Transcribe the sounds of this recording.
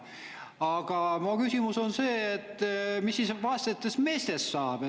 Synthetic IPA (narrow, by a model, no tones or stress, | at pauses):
ɑɡ̥ɑmokysimuso̞nse̞ːt̪ːˑmisːisvɑst̪et̪ːˑesme̞ːst̪esːɑːb̥